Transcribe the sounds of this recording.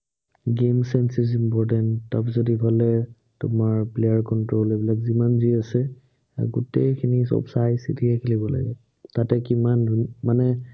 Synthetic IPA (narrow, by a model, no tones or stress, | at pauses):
ɡemsɛnsis̬impɔɹtɛntːapzodibʱalɛ | tʊmaɹplejaɹkɔntɹolebilakzimanziasɛ | ɡutejkʰinisɔ̰bsajsḭtʰiɛkʰilibɔla̰ɡɛ | tatɛkimandʱumanɛ